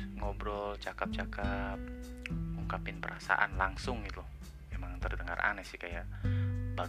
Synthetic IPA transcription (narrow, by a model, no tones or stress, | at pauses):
ŋɔbɾɔt͡ʃakap̚t͡ʃakap̚ | ŋuŋkapɪnpəɾasa̰ʔa̰nlaŋsʊŋit̪u | memaŋt̪ərd̪əŋa̰rʔa̰nasɪhkajaʔba